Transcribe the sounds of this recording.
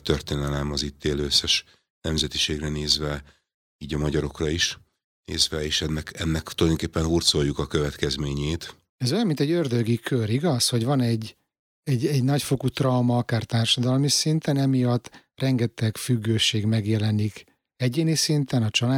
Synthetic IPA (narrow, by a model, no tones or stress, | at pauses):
t̪ørt̪eːnɛlɛmɒzit̪ːeːløsːɛʃ | nɛmzɛt̪i̥ʃeːɡrɛneːzvɛ | iːɟɒmɒɟɒɾo̞krɒiʃ | nḛːzvɛeːʃɛnːɛkɛnːɛkt̪ulɒjd̪oŋkeːpːɛnɦurt̪so̞jːukɒkø̞vɛt̪kɛzmeːɲeːt̪ | ɛzojɒmːint̪ɛɟørd̪øɡikʰøɾiɡɒsho̞ɟʋɒnɛɟː | ɛɟɛɟnɒcfokut̪rɒwmɒɒkaːrt̪aːrʃɒd̪ɒlmisint̪ɛnɛmijɒt̪ːrɛŋɡɛt̪ɛɡfyɡːøːʃeːɡmɛɡjɛlɛnik | ɛɟeːnisint̪ɛnɒt͡ʃɒlaː